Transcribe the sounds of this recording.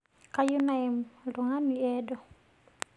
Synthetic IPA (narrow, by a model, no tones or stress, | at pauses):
kajunaɛmluŋaniɛdɔ